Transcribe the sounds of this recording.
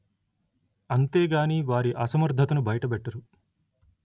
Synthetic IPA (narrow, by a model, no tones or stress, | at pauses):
ɐnt̪e̞ːɡaːniːʋaːɾiʔɐsɐmɐɾd̪ʱɐt̪ɐnubɐjɐʈɐbɛʈːɐɾu